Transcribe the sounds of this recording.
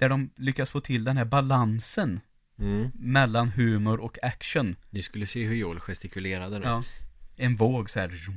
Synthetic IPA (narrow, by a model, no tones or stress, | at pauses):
d̪̥æɖɔmlʏkːasfoːt̪ʰɪld̪ɛnhæɾbalansən | mɛlːanɦʉ̟ːmʊɾʔɔkʰækʂənnɪskɵlːəseːɦɵjoːlɧɛst̪ɪkɵleːɾad̪ənɑːɛnvoːɡsɔhæːɾ